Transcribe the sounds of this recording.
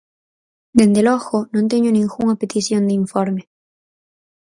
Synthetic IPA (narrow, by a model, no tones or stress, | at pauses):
d̪end̪eloxonõnt̪eɲonĩŋxuŋapet̪isjond̪iɱfoɾme